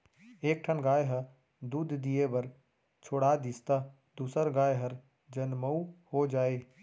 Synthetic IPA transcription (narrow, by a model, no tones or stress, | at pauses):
eːk̚ʈʰənɡaːjɦə | d̪uːd̪ʱd̪ijebɐɾ | t͡ʃʰoːɽad̪ist̪a | d̪uːsəɾɡaːjɦɐɾ | d͡ʒɐnməuhod͡ʒaːeː